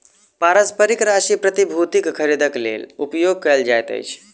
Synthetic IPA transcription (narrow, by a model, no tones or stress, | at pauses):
paɾəspəɾikɾaʃipɾət̪ibʱut̪ikkʰəɾid̪ʱəklḛlupjoɡ̚kəjld͡ʒajt̪ə̰jt͡ʃʰ